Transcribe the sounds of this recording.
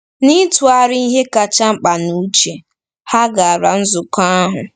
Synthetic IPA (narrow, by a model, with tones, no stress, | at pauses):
ni˦tu˨a˨ɾɪ˦i˦ɦe˦ka˨t͡ʃa˦ŋ͡m̩˦k͡pa˨nu˦t͡ʃe˨ | ha˦ɡa˨a˨ɾa̰˨n̩˦zʊ˨ka˦a˦ɦʊ˨